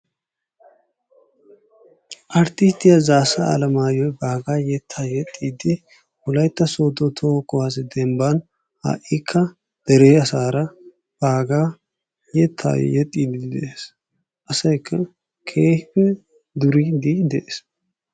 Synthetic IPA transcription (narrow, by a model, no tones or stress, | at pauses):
ʔɐɾt̪ɪst̪ːɪjazaːsɐɐ̰lɐmaːjɔjbaːɡaːjɛt̪ʰːaːjɛt̪ʼːiːd̪ɪ | wʊlɐjt̪ːɐsoːd̪ot̪ʰoːkːɔwas̬ɛd̪ɛmbɐn | ha̰ːʔikʰːɐ | d̪̥ɛɾeːɐsaːɾɐ | b̥aːɡaː | jɛt̪ʰːa̰ːj̰jɛt̪ʼːiːd̪ɪd̪ɛʔes | ʔɐsɐjkʰːɐ | kʰeːhɪpɛ | d̪ʊɾid̪id̪ɛʔeːs